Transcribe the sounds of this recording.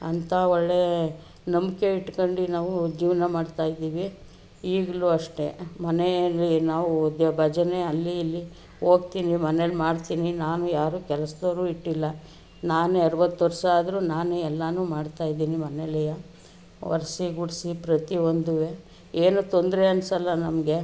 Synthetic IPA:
ɐnt̪ʰaɔɭːe | nɐmkeiʈːkoɳɖinaːʋud͡ʒiːʋnɐmaːɖt̪aːjid̪iːʋi | iːɡluɐʂʈe̞mɐnelːinaːʋud̪jɐbʱɐd͡ʒɐneɐlːiilːi | o̞ːɡt̪iːnimɐnelimaːɖt̪iːninaːnujaːɾuːkɛlɐsd̪ɐːɾuːiʈːilːɐ | naːnuɐɾɐʋɐt̪ːʋɐɾʂaaːd̪ɐɾunaːnuɛlːɐnuːmaːɖt̪aːjid̪iːnimɐnelɛjɐ | ʋɐ̰ɾsiɡuɽsipɾɐt̪io̞nd̪uʋe | eːnut̪o̞nd̪ɾeɐnsɐlːɐnɐmɐɡe̞

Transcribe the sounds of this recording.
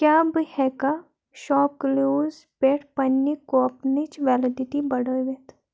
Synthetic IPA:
kjaːbɨhɛka | ʃɔːp̚kluːz | peːʈʰpɐnːikoɐpnit͡ʃʋɛːləd̪it̪ibɐɽəʋet̪ʰ

